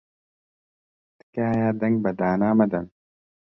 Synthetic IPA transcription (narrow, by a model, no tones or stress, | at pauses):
t̪kaːjaːd̪ɐŋɡ̚bɐd̪aːnaːmɐd̪ɐn